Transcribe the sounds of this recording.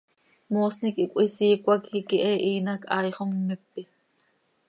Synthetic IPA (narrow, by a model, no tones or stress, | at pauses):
moːsnikikʷʼisiːkʷakhikiʔɛʔiːnakʰɑːjχommɪpːi